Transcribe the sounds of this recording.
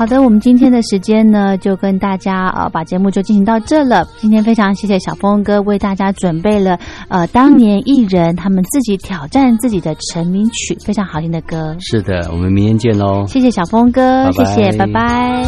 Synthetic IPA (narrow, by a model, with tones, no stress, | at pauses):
xɑ˨˩ʊd̪ə˦wɔ˨˩mə˦nt͡ɕi˥nt̪ʰjɛ˥nd̪ə˨ʂɻ̩˧˥t͡ɕjɛ˥nnə˨t͡ɕjo˥˩ʊkə˥nt̪a˥˩t͡ɕja˥ə̰˧pa˨˩t͡ɕjɛ˧˥mu˥˧t͡ɕjt͡ɕi˥˩ɕi˧ŋ˥t̪ɑ˥˧ʊʈ͡ʂɤ˥˩lə˩t͡ɕi˥nt̪ʰjɛ˥nfe˥ɪʈ͡ʂʰɑ˧˥ŋɕjɛ˥˩ɕ̬jɛ˨˩ɕjɑ˨˩ʊfo˥ŋkɤ˥we˥˧ɪt̪a˥˩t͡ɕja˥ʈ͡ʂwə˨˩npe˥˩ɪlə˩ə˧t̪ɑ˥ŋnjɛ˧˥nʔi˥˩ɻə˧˥nt̪ʰa˥mə˨nt͡sɹ̩˥˩t͡ɕi˧˥t̪ʰjɑ˨˩ʊʈ͡ʂa˥˧nt͡sɹ̩˥˩t͡ɕi˨˩d̪ə˦ʈ͡ʂʰə˧˥nmi˧˥nt͡ɕʰy˨˩fe˥ɪʈ͡ʂʰɑ˧˥ŋxɑ˨˥ʊɕʰi˥nd̪ə˨˩kɤ˥ʂɻ̩˥˩d̪ə̰˩wɔ̰˨˩mə˦nmi˧ŋjɛ˧˥nt͡ɕjɛ˥˩nɔ˧˦ɕjɛ˥˩ɕ̬jɛ˨˩ɕjɑ˨˩ʊfo˥ŋkɤ˥ɕjɛ˥˩ɕjɛ˨˩pa˧˥ɪpa˧˥˦ɪɪ